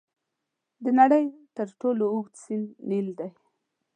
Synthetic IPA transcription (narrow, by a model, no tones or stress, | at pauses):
d̪ənaɽəjt̪əɾʈolouɡ̪sinnild̪aj